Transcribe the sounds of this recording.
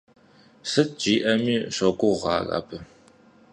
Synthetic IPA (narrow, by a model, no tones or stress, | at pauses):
sɨt̚d͡ʒiːʔɐmiːɕɐɡʷʊʁɑ̰ːɣa̰ːpʰɨ